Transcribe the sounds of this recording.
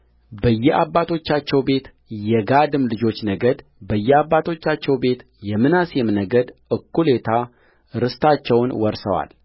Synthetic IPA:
bəjːɛabːat̪ʰo̞t͡ʃːat͡ʃːɛwbe̞t̪ | jɛɡad̪ɨmlɨd͡ʒo̞t͡ʃːnəɡəd̪ | bəjːɛabːat̪ʰo̞t͡ʃːat͡ʃːɛwbe̞t̪ | jɛmɨnasjɛmnəɡəd̪ʔɨkːulet̪ʰa | ɾɨst̪at͡ʃːɛwnwɔɾsə̰wa̰l

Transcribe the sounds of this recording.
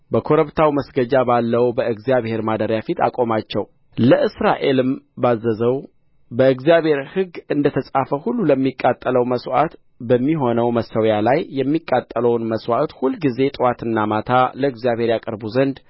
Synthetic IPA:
bəkʰo̞ɾəβt̪ʰawməsɡəd͡ʒabalːəwbəɨɡzijaβhe̞ɾmad̪əɾjafit̪ʰa̰kʼo̞mat͡ʃːɛw | ləʔɨsɾaʔe̞lɨmbazːəzəw | bəɨɡzijaβhe̞ɾhɨɡɨnd̪ət̪ʰəsʼafəhulːuləmːikʼːat̪ʼːələwməswa̰t̪ | bəmːiɦo̞nəwməsəwjalajːɛmːikʼːat̪ʼːələwnməswat̪hulːɡize̞t̪ʼɨwat̪ɨnːamat̪ʰaləɨɡzjaβhe̞ɾjakʼəɾbuzənd̪

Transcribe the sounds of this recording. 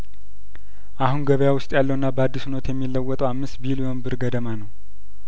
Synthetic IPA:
ʔahunɡəβəjawʊst̪ʼjalːəwɨnːabəad̪ːisunət̪jɛmːilːəwːɔt̪ʼəwamːɨst̪bilijombɨɾɡəd̪əmanəw

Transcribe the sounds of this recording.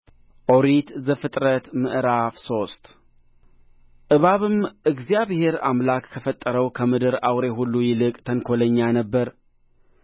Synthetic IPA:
ʔoɾit̪zəfɨt̪ʼɾət̪mɨʔɾafso̞st̪ | ʔɨβaβɨmʔɨɡzjaβhe̞ɾa̰mlakːʰəfət̪ʼːəɾəwkʰəmɨd̪ɨɾawɾe̞ɦulːujɪlɨkʼt̪ʰəŋkʰo̞ləɲːanəbːəɾ

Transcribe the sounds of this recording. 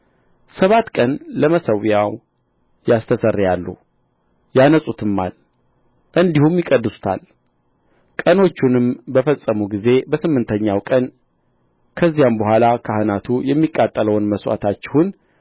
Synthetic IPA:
səβat̪ːkʼənləməsəwjaw | jast̪ʰəsərːjalːṵ | janəsʼut̪ʰɨmːa̰l | ʔɨnd̪ihumjɪkʼəd̪ːɨsu̥t̪ʰa̰l | kʼəno̞t͡ʃːunɨmbəfəsʼːəmuɡize̞bəsɨmːɨnt̪ʰəɲːawkʼən | kʰəzːijambəhʷalakʰahɨnat̪ʰujɛmːikʼːat̪ʼːələwnməswa̰t̪ʰat͡ʃːɪhun

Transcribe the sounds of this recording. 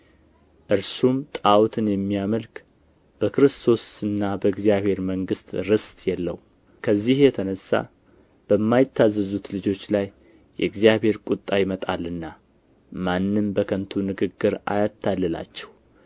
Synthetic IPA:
ʔɨɾsumt̪ʼawt̪ʰɨnjɛmːijaməlk | b̥əkɨɾɨst̪ʰo̞sɨnːabəɨɡzijaβhe̞ɾməŋɡɨst̪ɾɨst̪ʼjɛlːə̰w | kʰəzːihjɛt̪ʰənəsːa̰ | b̥əmːajɪt̪ʰːazːəzut̪lɨd͡ʒo̞t͡ʃːlajː | ɛ̰ɨɡzijaβhe̞ɾkʼut̪ʼːajimət̪ʼalɨnːa | manːɨmbəkʰənt̪ʰunɨɡɨɡːɨɾa̰jat̪ʰːalːɨla̰t͡ʃːɛ̥w

